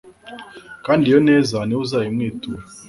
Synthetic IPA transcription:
kaːndijonɛzaneuzajimŋeːtu

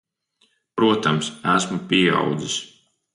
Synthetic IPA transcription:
pɾuɔt̪amsæsmupʲiɛa̰wd̪zis

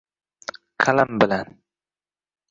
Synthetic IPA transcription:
qʰalambɪlan

